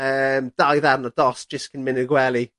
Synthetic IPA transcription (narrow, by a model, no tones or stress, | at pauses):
əːmd̥ajðarnəd̥ɔsd̥ʒ̥ɪskʰənmɪnəɡwɛlˠi